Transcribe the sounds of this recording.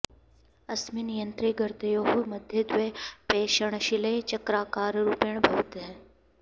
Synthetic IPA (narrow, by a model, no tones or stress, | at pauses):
ɐsminijənt̪ɾiɡəɾt̪ɐjoːɦumɐd̪ʱjed̪ʊʋepeːʃəɽ̃ʃɪlet͡ʃɐkɾaːkaːɾɾuːpjəɳ̃bʱɐʋt̪ɦɛ̃